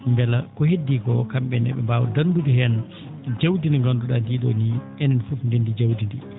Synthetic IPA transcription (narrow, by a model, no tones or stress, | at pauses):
mbɛlakɔhedːiɡɔkamɓɛnɛ̰ɓɛ̰mbawɔ̰dandudihɛn | d͡ʒawdiniŋɡanduɗandiːɗɔ̰niʔɛnɛnfufndindid͡ʒawdindi